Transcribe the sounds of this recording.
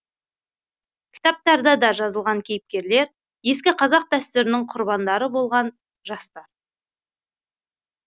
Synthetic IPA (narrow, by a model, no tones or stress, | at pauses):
kʲʰɪ̥t̪ɑp̚t̪ɑɾd̪ɑd̪ɑʒɑzəlˠʁɑŋkʲʰe̞jɪp̚kʲe̞ɾle̞ɾ | je̞skʲɪqʰɑzɑq̚d̪æst̪ʏɾɪnɪŋqʰʊɾbɑnd̪ɑɾəbo̞lˠʁɑn | ʒɑst̪ɑɾ